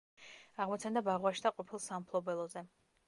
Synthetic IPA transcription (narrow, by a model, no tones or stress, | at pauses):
aʁmɔt̪sʰand̪abaʁwaʃd̪aqʼɔpʰilˠsampʰlˠɔbɛlˠɔzɛ